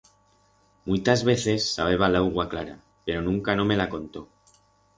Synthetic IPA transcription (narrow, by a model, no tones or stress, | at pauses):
mujt̪azβ̞e̞θe̞sːaβ̞e̞βalawɣwaklaɾa̰ | pe̞ɾo̞nũŋkano̞me̞lako̞nt̪o̞